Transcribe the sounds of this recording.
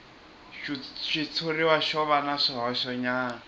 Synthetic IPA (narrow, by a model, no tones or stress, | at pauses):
ʃʃit͡sʰoɾiwaʃɔβanaʂɔɦaɔʃɔɲaːna